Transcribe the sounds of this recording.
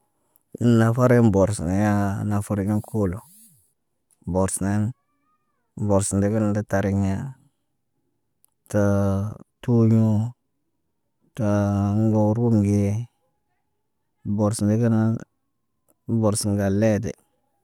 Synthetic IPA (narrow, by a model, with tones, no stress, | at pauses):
na˨fa˦ɾi˦m˦bo˨ɾsḭ˨ne˨ja˦na˨fa˦ɾi˦n˦kʰu˦lo˨ | bo˨ɾsi˨ne˦n˨ | bo˨ɾsi˨di˦ki˦na˨da˦ta˨ɾi˨ŋ˦a˦ | ta˨tu˦ɲu˦ | ta˨ŋ˦ɡo˨˦ɾu˦mɡe˦ | bo˨ɾsnde˦ɡi˦na˦ | bo˨ɾsi˨ŋ˦ɡa˨le˦˨dḛ˨